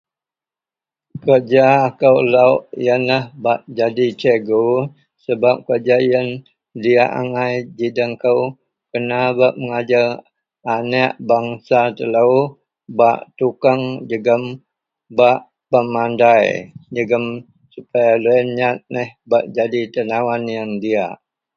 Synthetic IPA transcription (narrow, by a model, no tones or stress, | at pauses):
kəd͡ʒaːkəwlauʔijənlahbaʔd͡ʒadit͡ʃəɡo | səbap̚kərd͡ʒaijən | diaʔa̰ŋajd͡ʒidəŋkəw | kənabaʔməŋad͡ʒa | anəʔbaŋsat̪ələw | ba̰ʔt̪ukaŋd͡ʒəɡəm | baʔ | pəmandajd͡ʒəɡəm | supajalɛnɲat̪̚nəhbaʔd͡ʒadit̪ənawanjaŋdia̰ʔ